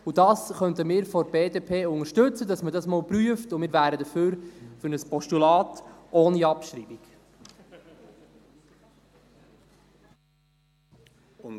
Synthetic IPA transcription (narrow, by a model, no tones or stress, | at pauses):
ud̥ɑːsχœnt̪əmɪːɾfɔbeːdeːpʰeːʊŋəʃtɵt͡sədɑsmədɑsmɔːlpɾyəftʊmɪːɾʋæːɾədəføːɾfʏɾnəspɔʃtulɑːtʔoːniɑpʃɾiːbiɡ̥